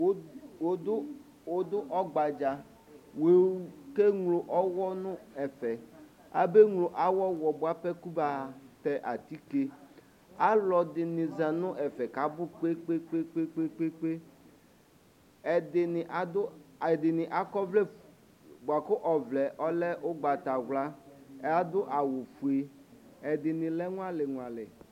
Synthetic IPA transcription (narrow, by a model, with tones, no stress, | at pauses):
o˨˦dʊ˦ | wo˦d̪ʊ˦ʔɔ˦ɡ͡ba˨d͡ʒa˨ | we˨˦ke˦ŋlo˨ʔɔ˦wɔ˦nʊ̃˦ɛ˨fɛ˨ | a̰˨be˦ŋlo˨ʔa˦wɔ˦wɔ˨bʊ˨a˨pɛ˦ku˦ba˨tɛ˦ʔa̰˨t̪i˦ke˦ | a˦lɔ˨dɪ˨nɪ˨zã˨nʊ̃˦ʔɛ˨fɛ˨ka˨˦bʊ˦k͡pe˦k͡pe˦k͡pe˦k͡pe˦k͡pe˦k͡pe˦k͡pe˦ | ɛ˨dɪ˨nɪ˨ʔa˨dʊ˦˨dɪ˨nɪ˨ʔa˨kɔ˦vlɛ˦ | bʊ˨a˨kʊ˦ʔɔ˨vlɛ˨ʔɔ˦lɛ˦ʔʊ˦ɡ͡ba˨ta˨ɣla˦a˦d̪ʊ˦ʔa˨wʊ˨fu˨e˨ | ɛ˨dɪ˨nɪ̃˨lɛ˦ŋʊ˦a˦lɪ˨ŋʊ˨a˨lɪ˨